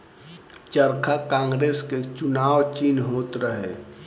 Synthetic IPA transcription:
t͡ʃəɾkʰakãːŋɡɾeːsket͡ʃʊnaːwt͡ʃiːnɦoːt̪ɾəɦḛ

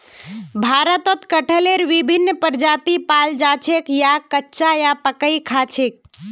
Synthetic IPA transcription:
bʱaɾət̪ət̪kəʈʰəleɾʋibʱinːpəɾd͡ʒat̪ipald͡ʒat͡ʃʰekjakətːʃajapəkəjkʰat͡ʃʰek̚

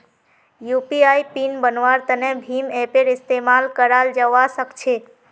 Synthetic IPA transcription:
jupiajpinbənʋaɾt̪ənebʱimepeɾɪst̪emalkəɾald͡ʒəʋasəkt͡ʃʰe

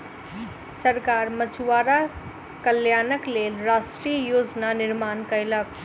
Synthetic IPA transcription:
səɾkaːɾmət͡ʃuwaːɾa | kəljaːnəklelɾasʈɾijəjoːd͡ʒnanɪɾmaːnkəjlək̚

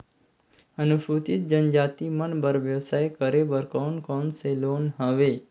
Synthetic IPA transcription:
ənubut̪it̪̚d͡ʒənd͡ʒat̪imənbəɾʋjəʋsajkəɾebəɾkankonselonɦaʋe

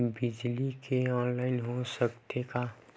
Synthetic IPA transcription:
bɪd͡ʒlikeɔ̃ːnlaːɪnɦosəkt̪eka

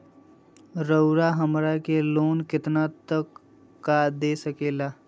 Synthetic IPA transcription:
ɾəʊɾaɦəmɾakeloːnkɪt̪nat̪əkː | ad̪esəkeːlaː

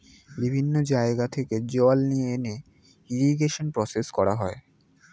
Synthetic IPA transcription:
bibʱinːod͡ʑaeɡat̪ʰeked͡ʑɔlnijeene | iɾiɡeʃonpɾɔseskɔɾaɦɔe

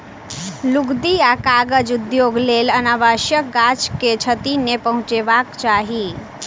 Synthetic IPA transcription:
luɡd̪iakaɡəd͡ʒud̪joɡlelənaʋaʃjəɡat͡ʃket͡ʃʰət̪inepəɦũt͡ʃeʋakt͡ʃaːɦi

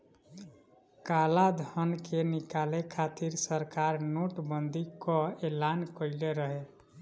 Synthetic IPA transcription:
kalad̪ʱənkʰenikalekʰat̪iɾsəɾkaɾnoʈbənd̪ikɔelankəɪleɾəɦe

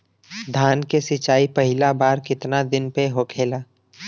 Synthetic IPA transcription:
d̪ʱaːnkesɪt͡ʃaːipəɦɪlabaːɾkɪt̪nad̪ɪnpeɦokʰeːlaː

